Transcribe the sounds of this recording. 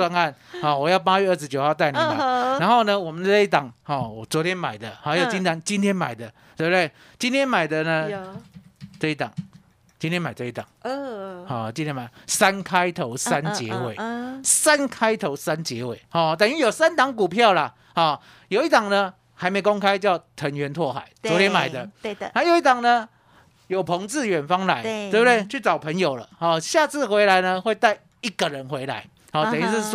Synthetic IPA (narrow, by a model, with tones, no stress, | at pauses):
wa˥na˥˩nhɔ˨˩wɔ˨˩jɑ˥˩ʊp̬a˥ɥɛ˥˧ə˥˩ʂ̬ɻ̩˧˥t͡ɕjo˨ʊxɑ˥˧ʊt̪a˥˩ɪn˨˦˨a˨˦a˧˦nxo˥˩ʊnə˨wɔ˨mə˨˦n˥˧i˥˩t̪ɑ˨˩ŋhɔ˥˩ɔ˨˩t͡swɔ˧˦t̪ʰjɛ˥nma̰˨˩ɪd̪ə˦ha˧˥ɪjo˨˩t͡ɕi˦nt̪ʰa˧˥ŋt͡ɕi˦nt̪ʰjɛ˥nma̰˨˩ɪd̪ə˦t̪we˥˩bt̪we˥˩ɪ | t͡ɕi˥˦nt̪jɛ˥nma˨˩ɪd̪ə˨nə˧ | t͡sɤ˥˧i˦˩t̪ɑ̰˨˩˦ŋ | t͡ɕi˧˥nt̪ʰjɛ˥nma˨˩ɪt͡sə˥˧i˥˩t̪ɑ̰˨˩ŋ | hɔ˥˨t͡ɕĩ˦nt̪ʰjɛ˥nma˨˩sa˦nkʰa˦˥ɪt̪ʰo˧˦ʊsa˦nt͡ɕjɛ˧˦we˨˩ɪsa˦nkʰa˦˥ɪt̪ʰo˧˦ʊsa˦˥nt͡ɕjɛ˧˦we˨˩ɪhɔ˨˩t̪ə˨ny˥˨jo˨˩ʊsa˦nt̪ɑ˧˦ŋk̬u˨˩pʰjɑ˥˨ʊla˨ | hɔ˥˩ | jo˨˩ʊi˥˩t̪ɑ˨˩ŋnə˦ | ha˨˦ɪmẽ˧˥ɪkɔ˦˥ŋkʰa˦ɪt͡ɕjɑ˥˩ʊt̪ʰə˧˦ŋɥɛ˧˦nt̪ʰwɔ˥˩xa̰˨˩˦ɪt͡swɔ˨˦t̪jɛ˥˧˥ma˨˩ɪd̪ə˦˧na˥˨jo˨˩ʊi˥˩t̪a˨˩ŋnə˦ | jo˨˩ʊpʰɔ˧˦ŋt͡sɹ̩˥˨ɥɛ˨˩nfɑ˦˥ŋla˧˦ɪe˥˩bə˧d̪we˥˨˩ɪt͡ɕʰy˥˩t͡sɑ˨˩ʊpʰə˨˦njo˨˩ʊlə̰˦hɔ˥˩ɕja˥˧t͡sʰɹ̩˥˨xwe˧˥ɪla˧˦ɪnə˧xwe˥˧ɪt̪a˥˧ɪ | i˦˥ɡə˨ɻə˨˦nxwe˧˦ɪla̰˧˦ɪ | hɔ˨t̪ny˥ʂ̩˥˩s